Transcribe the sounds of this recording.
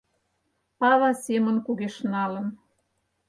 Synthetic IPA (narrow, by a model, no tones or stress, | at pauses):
pɑβɑsemə̆nkuɣeʃnɑlə̆n